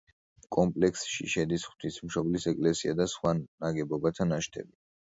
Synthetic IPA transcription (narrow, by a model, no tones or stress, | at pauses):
kʼɔmpʼlɛkʰsʃḭʃɛd̪isχw̥t̪ʰismʃɔblisɛkʼlɛsiad̪asχwanaɡɛbɔbat̪ʰanaʃt̪ʰɛ̰bi